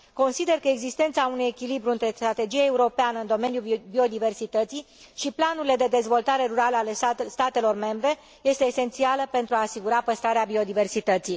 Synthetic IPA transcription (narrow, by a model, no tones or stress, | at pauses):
ko̞nsid̪e̞rkəeɡzist̪e̞nt̪saunuje̞kʲilibɾuɨnt̪ɾe̞st̪ɾat̪e̞d͡ʒijaeuɾo̞peanəɨnd̪o̞me̞njubio̞d̪ive̞rsit̪ət̪si | ʃiplanuɾile̞d̪e̞d̪e̞zvo̞lt̪aɾe̞ɾuɾaləalest̪at̪e̞lo̞rme̞mbɾe̞ | je̞st̪e̞ːse̞nt̪sialəpe̞nt̪ɾuaːsiɡuɾapəst̪ɾaɾeabio̞d̪ive̞rsit̪ət̪si